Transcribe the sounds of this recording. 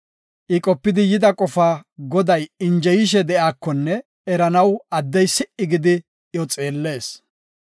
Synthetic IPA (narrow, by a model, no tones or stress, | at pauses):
ʔɪkʼɔpːɪd̪ɪjɪd̪ɐkʼɔfaːɡɔd̪ɐjɪnd͡ʒɛjɪʃ̬ɛd̪ɛʔaːkːɔnːɛ | ɛɾɐnɐwɐd̪ːɛjsɪʔɪɡɪd̪ɪ | jɔt͡sʼe̞ːlːe̞ːs